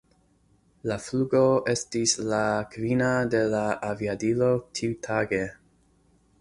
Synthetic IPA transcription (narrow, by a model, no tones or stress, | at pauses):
lafluɡo̞ʔe̞stislakvinade̞laʔaviadilo̞tʰiutʰaɡe̞